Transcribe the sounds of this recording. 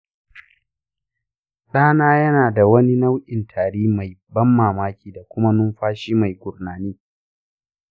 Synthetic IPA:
ɗaː˦naː˦jɐ˦naː˨da˨wɐ˦ni˦na˦wʔʲɪ˨ntʰaː˨ɽiː˦ma˨jbɐ˦mːaː˨maː˦kʲiː˨da˨kʷʊ˦ma˦nʊ˦mɸaː˦ʃiː˦ma˨jɡʷʊ˨ɾnaː˨niː˦

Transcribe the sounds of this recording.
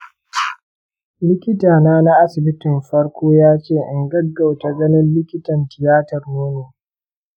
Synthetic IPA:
lɪ˦kʲɪ˦taː˨naː˦na˦ʔa˦sɪ˨bɪ˦tɪ˨mɸɐ˦ɽkʷoː˦jaː˦t͡ʃeː˦˨ʔɪ˨ŋɡɐ˦ɡːa˨wta˨ɡɐ˦nɪ˦nlɪ˦kʲɪ˦tɐ˨ntɪ˨jaː˦tɐ˨rnoː˦neː˨

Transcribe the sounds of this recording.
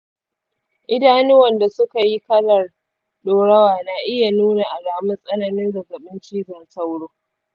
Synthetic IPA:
ʔɪ˦daː˦nɪ˦wɐ˨nda˨sʊ˦ka˨ji˦kɐ˦lɐ˨r | ɗoː˨ɽɐ˦waː˨na˨ʔɪ˦ja˨nuː˦na˨ʔa˨laː˨mɪ˦nsʼɐ˦nɐ˨nɪ˦nzɐ˨ɡɐ˨ɓɪ˦nt͡ʃiː˦zɐ˨nsɐ˦wɽoː˦

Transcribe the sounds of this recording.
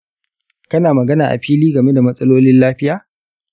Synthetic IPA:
kɐ˦naː˨mɐ˨ɡɐ˦naː˨ʔa̰˨ɸiː˦liː˦ɡɐ˨me˦da˨mɐ˦sʼɐ˦loː˦lɪ˦nlaː˦ɸɪ˦jaː˨

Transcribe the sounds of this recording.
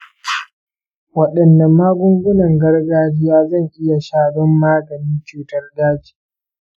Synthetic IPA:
wɐ˨ɗɐ˨nːɐ˨mːaː˦ɡʷʊ˦ŋɡʷʊ˦nɐ˨ŋɡɐ˦rɡaː˦d͡ʒɪ˦jaː˦zɐ˦˨ŋʔɪ˦ja˨ʃaː˦˨dɔ˦mːaː˦ɡɐ˨ni˦nt͡ʃuː˨tɐ˦rdaː˦d͡ʒi̥ː˨

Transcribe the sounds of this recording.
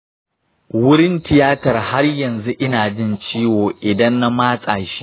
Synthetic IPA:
wʊ˦ɽɪ˦ntɪ˨jaː˦tɐ˨rha˦rjɐ˨nzu˦ʔɪ˦naː˨d͡ʒɪ˦nt͡ʃiː˦woː˨ʔɪ˨dɐ˦nːa˦maː˦sʼaː˨ʃi̥˦

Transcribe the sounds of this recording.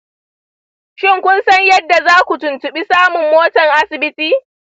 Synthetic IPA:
ʃɪ˦ŋkʷʊ˦nsɐ˦ɲjɐ˦dːa˨zaː˦kʷu˨tʊ˨ntʊ˨ɓi˦saː˦mʊ˨mːoː˦tɐ˨ŋʔa˦sɪ˨bɪ˦tiː˦

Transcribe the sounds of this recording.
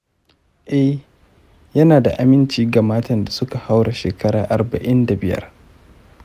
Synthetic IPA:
ʔɛ˦h | jɐ˦naː˨da˨ʔa˨mɪ˦nt͡ʃiː˦ɡa˨maː˦tɐ˨nda˨sʊ˦ka˨ha˦wɽa˨ʃeː˨kɐ˦ɽaː˨ʔa˨rbɐ˨ʔɪ˦nda˨bɪ˦jɐ̰˦r

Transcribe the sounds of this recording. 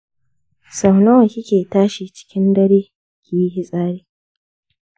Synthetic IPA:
sɐ˨wnɐ˦wɐ˨kʲi˦kʲeː˨taː˦ʃi˨t͡ʃɪ̥˦kʲɪ˦ndɐ˦ɽeː˦ | kʲi˨ji˦ɦi˦sʼaː˦ɽeː˦

